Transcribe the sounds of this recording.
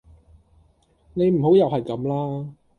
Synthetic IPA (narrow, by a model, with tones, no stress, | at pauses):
ne˨˧jm̩˨˩ɦo˨˥wjɐ˨whɐ˨jkɐ˨˧˥mlaː˥